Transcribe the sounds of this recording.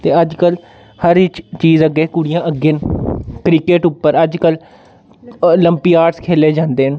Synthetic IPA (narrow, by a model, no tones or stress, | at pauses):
t̪eːəd͡ʒkəl | həɾɪt͡ʃt͡ʃiːzəɡeːkʊɽijãːʔəɡeːnkɾikeːʈʊpːəɾəd͡ʒkəl | ləmpiːaːʈskʰeːleːd͡ʒãːnd̪eːɦən